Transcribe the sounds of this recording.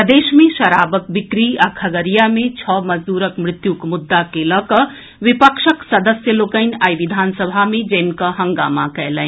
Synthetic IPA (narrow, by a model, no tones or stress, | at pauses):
d̪eːʃmẽʃɐɾabək̚bikɾiakʰɐɡəɾijamẽt͡ʃʰɔːməd͡ʒd̪uːɾəkmɾɪt̪jukmʊd̪ːakeləkəɦ | ʋipəkʃəksəd̪əsjəloːkəɪnʲajʋid̪ʱaːnsəbʱamẽd͡ʒənkəɦəŋɡa̰ːmakɛlə̃n